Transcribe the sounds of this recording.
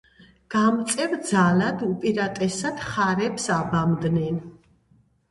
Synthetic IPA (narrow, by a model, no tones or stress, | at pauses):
ɡ̥amt̪sʼɛvd̪zalad̪upʼiɾat̪ʼɛsad̪̥χaɾɛpsabamd̪nɛn